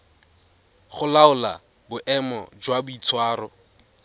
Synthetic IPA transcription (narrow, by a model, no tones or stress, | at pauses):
χʊlaʊla̰ | bʊʔɛmɔ̰d͡ʒwabʊit͡sʰwaːrɔ